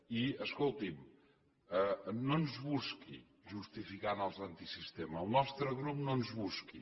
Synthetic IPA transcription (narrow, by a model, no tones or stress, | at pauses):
iəskolˠt̪im | ɛnõnzβuskḭ | ʒust̪ifikanəlˠzɐnt̪isist̪eməlˠnɔst̪ɾəɣɾupnõnzβuski